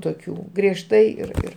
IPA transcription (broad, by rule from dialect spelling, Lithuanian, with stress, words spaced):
toːˈkʲuː ɡrʲiɛʃˈtɐɪ ɪr ˈɪr